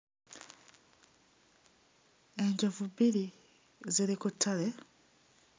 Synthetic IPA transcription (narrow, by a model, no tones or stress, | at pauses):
eɲɟavubili | ziɾikutʰːale